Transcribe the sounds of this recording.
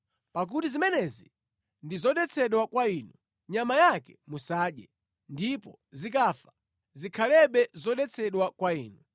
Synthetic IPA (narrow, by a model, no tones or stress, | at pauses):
pak̬utizimɛnɛzi | ndizɔɗɛt͡sʰɛɗwakwaiːnu | ɲamajakɛmusaːɗjɛ | ndipɔ | zikafḁ | zikʰalɛɓɛzɔɗɛt͡sʰɛɗwakwaiːnu